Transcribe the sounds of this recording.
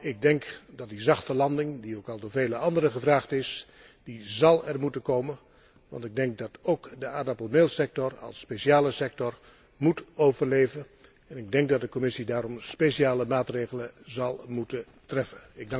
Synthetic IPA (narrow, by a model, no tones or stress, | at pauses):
ɪɡ̚dɛŋkdɑt̚dizɑχtəlɑndɪŋdiowkɑlˠdoːvejləɑndəɾəχəvraːχtɪs | d̥izɑlˠɛrmutənkowmən | ʋɑ̰ntɪɡ̚dɛŋk̚dɑtowkdəaːdɑpəlˠmelˠsɛk̚tɔrɑ̰lˠsːpeʃiaːləsɛk̚tɔr | mutowvərleːvən | ɛnɪɡ̚dɛŋk̚dɑt̚dəkɔmɪsidaːɾɔmspeʃiaːləmaːtreɣələzɑlˠmutə | trɛfənɪɡ̚